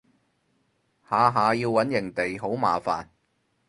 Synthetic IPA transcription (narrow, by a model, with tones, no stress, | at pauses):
haː˨˧ɦaː˨˧jiː˧wwɐ˨˥njɪ˨˩ŋt̪e˨jɦo˨˥wma̰ː˨fa̰ː˨n